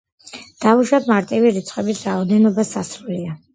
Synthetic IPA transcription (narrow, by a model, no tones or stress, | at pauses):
d̪̥auʃwat̪maɾt̪ʼiviɾit̪sʰʼqʼɛbisɾaɔd̪ɛnɔbasasɾulia